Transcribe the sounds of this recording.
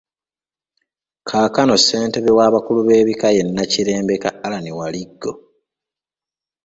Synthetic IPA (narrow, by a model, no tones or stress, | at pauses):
kʰaːkano̞se̞ːnteβewaːβakuluβe̞ːβikaje̞nːaciɾe̞ːmbe̞kaːlanewaliɡːo̞